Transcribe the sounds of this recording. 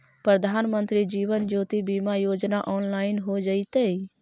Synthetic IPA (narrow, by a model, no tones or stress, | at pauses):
pɾəd̪ʱaːnmənt̪ɾid͡ʒiːʋənd͡ʒoːt̪ibimajod͡ʒnaʔɔːnlaːɪnɦod͡ʒəit̪əi